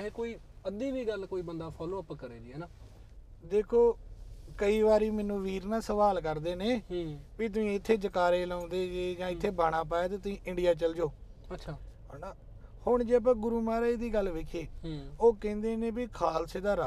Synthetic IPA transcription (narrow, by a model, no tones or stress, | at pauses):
ekoːiː | əd̪iːʋiːɡəlkoːiːbənd̪aːpʰɔːloːəpkəɾeːdiɛːnaː | d̪eːkʰoːkəiːʋaːɾiːmɛːnũːʋiːɾnãːsəʋaːlkəɾd̪eːneːʋiːt̪̬ʊĩːɪt̪ʰːeːd͡ʒəkaːɾeːlãːnd̪eːd͡ʒeːd͡ʒãːɪt̪ʰːeːbaːɽ̃aːp̬aːeːt̪eːt̪ʊĩːʔɪɳɖijaːt͡ʃəld͡ʒoː | əʃʰaː | naː | hʊɳd͡ʒeːəp̬ãːɡʊɾuːmaːɾaːed̪iːɡəlʋeːkʰeːɦoːkɛ̃ːnd̪eːnẽːbikʰaːlseːd̪aːɾa